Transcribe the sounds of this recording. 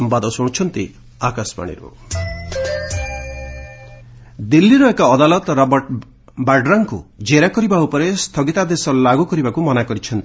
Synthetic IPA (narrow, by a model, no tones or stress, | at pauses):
ɔmbad̪ɔsɔ̃ɽ̃t͡ʃʰɔnt̪i | akaspa̰ɽ̃ḭɾṵ | d̪ilːiɾɔekaɔd̪alɔt̪ɾɔbɔʈ | baɖɾaŋkṵd͡ʒeɾakɔɾibaupɔɾest̪ʰɔɡit̪ad̪esɔlaɡukɔɾibakumɔnakɔɾit͡ʃʰɔnt̪i